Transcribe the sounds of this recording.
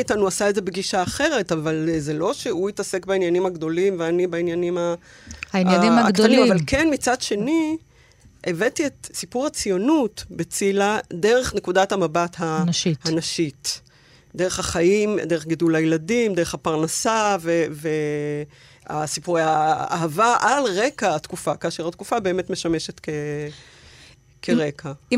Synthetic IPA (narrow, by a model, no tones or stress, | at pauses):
itanuasaedze̞beɡiʃaːχe̞ʁe̞tavalzelo̞ʃeuitase̞kbainjanimhaɡdo̞limveanibeinjanima | ainaimakt̪animavalkenmit͡sadʃe̞ni | ʔevetietsipuʁhat͡sijo̞nutbet͡silade̞ʁe̞χne̞kudathamabathanʃiːnaʃit | deʁe̞χhaχajimd̪eʁeχɡidulajeladimdeeχhapaʁnasaveve | a̰sipuʁeja̰ːɦavaʔalʁe̞kaatkufakaʃeʁatkufabe̞ːme̞tme̞ʃameʃetke | kʰeʁe̞kʰa